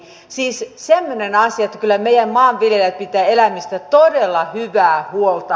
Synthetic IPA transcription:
siːssemːonenɑsijɑet̪ːækylːˑæmeijæmmɑːnʋiljelæt̪̚pit̪æːelæmist̪æt̪odelːɑhyʋæːhuolt̪ɑ

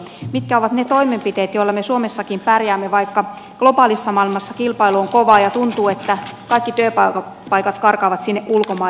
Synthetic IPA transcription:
mit̪̚kæoʋɑt̪net̪oimempit̪eːt̪joilːɑmesuomesːɑkimpærjæːmːeʋɑikːɑ | ɡ̥lobɑːlisːɑmɑilmɑsːɑkilpɑiluoŋkoʋɑːjɑt̪unt̪uːet̪ːækɑikːit̪øːpɑkɑpɑikɑt̪kɑrkɑːʋɑt̪sinːeʔulkomɑ

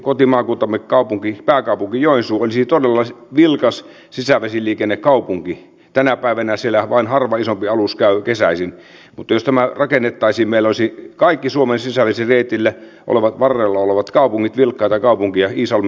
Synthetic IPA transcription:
kot̪imɑːkuːt̪ɑmːekkɑˑupuŋkipæːkɑˑupuŋkijoinsuːolʲisit̪odelːɑʋilkɑs | sisæʋesiliːkenːekkɑˑupuŋki | t̪ænæpæˑiʋænæsielæʋɑˑinhɑrʋɑisompiɑluskæˑykesæisin | mut̪ːɑjost̪æmærɑkenːet̪ːɑisiːmmeˑiloˑlʲsikɑˑikːisuomensisæʋesireit̪ilːæʔo̰leʋɑt̪ʋɑrːeːlːɑoleʋɑt̪kɑˑupuŋːit̪ʋilkːɑˑit̪ɑkɑˑupuŋkijɑiːsɑlm

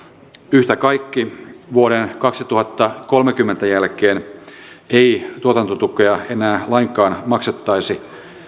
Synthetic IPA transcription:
yht̪ækɑikːiʋuoɾenkɑksit̪uhɑt̪ːɑkolmekymːent̪æjælkeːn | eit̪uot̪ɑnt̪ot̪ukeɑenæːlɑiŋkˑɑːnmɑkset̪ːɑisi

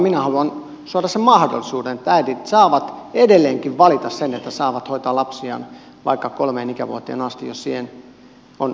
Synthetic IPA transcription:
minæhɑluɑn | suɑdɑssemmɑhdo̰lːisuːdent̪æidit̪sɑːʋɑt̪edelːeːŋkiʋʋɑlit̪ɑssenet̪ːæsɑːʋɑt̪hoit̪ɑːlɑpsiɑ̰n | ʋʔɑ̰ikːɑkolmeːnikæʋṵɑt̪ḛːnɑst̪ijossiːhen | on

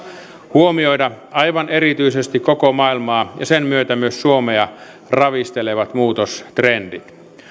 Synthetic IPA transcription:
huomioidɑ | ɑiʋɑnerit̪yisest̪ikkokomɑilmɑːjɑ̰senmyøt̪æmyøssuomeɑ | rɑʋist̪eleʋɑt̪muːt̪ost̪rendit̪

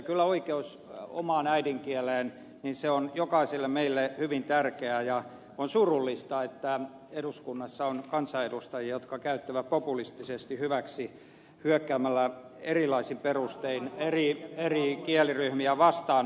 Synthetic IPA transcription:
kylːæoikeus | o̰mɑːnæidiŋkieleːn | ninseonjokɑisilːemmeilːehyʋint̪ærkeæjɑ | onsurulːist̪ɑet̪ːæ | eduskunːɑsːɑonkɑnsɑedust̪ɑjiɑjot̪kɑkæyt̪ːæʋæp̚populist̪isest̪ihyʋæksi | hyøkːæːmælːæerilɑisimperust̪einerierikieliryhmiæʋɑst̪ɑːn

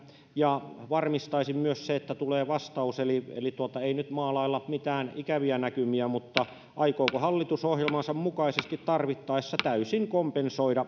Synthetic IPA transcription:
jɑʋɑrmist̪ɑisimmyøsseet̪ːæt̪uleːʋɑst̪ɑuseliḛlit̪uot̪ɑeinyt̪mɑːlɑilːɑpmit̪æːnikæʋiænækymiæmut̪ːɑ | ʔɑikoːkohɑlːit̪usohjelmɑnsɑmmukɑisest̪it̪t̪ɑrʋit̪ːɑisːɑt̪æysiŋkompensoidɑ

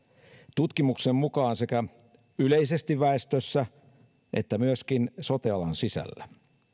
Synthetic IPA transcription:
t̪ut̪kimuksemmukɑːnse̞kæ | yle̞isest̪iʋʋæest̪øsːæ | ʔet̪ːæmyøskinsot̪eɑlɑnsisæ̰lːæ

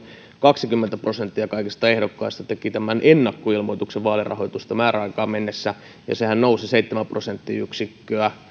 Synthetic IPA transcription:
kɑksikymːent̪æprosent̪ːiɑkɑikist̪ɑehdokːɑist̪ɑt̪ekit̪æmænʔenːɑkːoilmoit̪ukseʋʋɑːlirʔɑ̰hoit̪ust̪ɑmæːɾæɑikɑːmmenːesːæ | jɑ̰sehænnousiseit̪ːemæprosent̪ːḭyksikːøæ

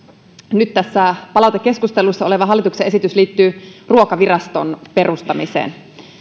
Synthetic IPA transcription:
nyt̪t̪æsːæpɑlɑˑwt̪ekːe̞skust̪elusːɑo̞le̞ʋɑɦɑlːit̪ukseʔe̞sit̪ysliːt̪ːyːruokɑʋirɑst̪onpe̞rust̪ɑmisḛːn

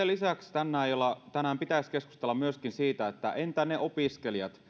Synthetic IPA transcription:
elisækst̪ænːæjolːɑt̪ænæːmpit̪æsʲkesku̥st̪elːɑmmyøskinsiːt̪æet̪ːæʔent̪æneopiskelijɑt̪

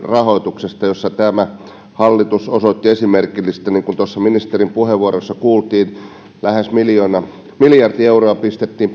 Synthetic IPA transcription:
rɑhoit̪uksest̪ɑjosːɑt̪æmæ | hɑlːit̪usosot̪ːiesimerkilːist̪æniŋkunt̪osːɑminist̪erimpuheʋːuoɾosːɑkuːlt̪iːn | læhesmiljonɑ | miljɑrd̪̥ieuroɑpist̪et̪ːiːm

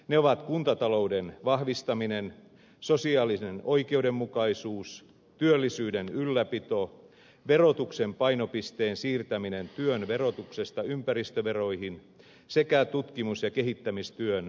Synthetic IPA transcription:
neoʋɑt̪kunt̪ɑt̪ɑlo̞wdenʋɑhʋist̪ɑminen | so̞siɑːlineno̞ikeude̞mmukɑisuːs | t̪yølːisyːdenylːæpit̪o̞ | ʋe̞rot̪ukse̞mpɑjno̞pist̪eːnsiːrt̪æminent̪yønʋeɾot̪ukse̞st̪ɑympærist̪øʋerojɦin | sekæt̪ut̪kimusjɑkeɦit̪ːæmist̪yøn

